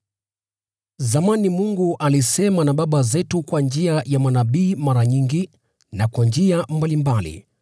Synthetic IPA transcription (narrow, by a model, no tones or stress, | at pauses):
zamanimuŋɡuʔalisɛmanaɓaɓazɛtukwand͡ʒiajamanaɓiːmaɾaɲiŋɡi | nakwand͡ʒiambalimbalḭ